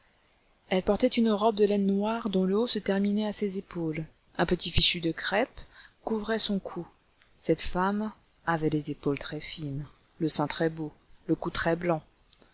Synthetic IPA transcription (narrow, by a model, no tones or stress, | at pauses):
ɛlpɔʁt̪ɛt̪ynʁɔb̚d̪əlɛnːwaʁd̪ɔ̃ləosət̪ɛʁminɛasezepol | ɛ̃pət̪ifiʃyd̪əkχɛpkuvʁɛsɔ̃kʰu | sɛt̪fam | avɛd̪ezepolt̪χɛfin | ləsɛ̃t̪χɛboləkut̪χɛblɑ̃